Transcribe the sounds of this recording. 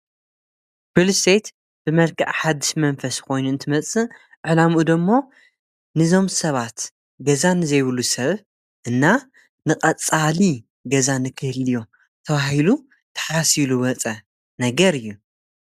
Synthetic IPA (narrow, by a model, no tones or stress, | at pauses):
bilst̪ejt̪ | b̥ɨmɐlkʰɐ̰ʕħad̪iʃmɐnfɐsko̞jnuɨnt̪ʰɨmɐt͡sʼɨ | ʔʔʕɨlamud̪ɨmːo̞ | nɨzo̞msɐβat̪ | ɡɐzanɨzɐjβɨlusɐβ | ʔɨnːa | nɨqʼɐt͡sʼali | ɡɐzanɨkʰɨhɨlijo̞ | t̪ʰɐβahilu | t̪ʰɐ̥ħasiluwɐt͡sʼɐ | nɐɡɐɾɨjːu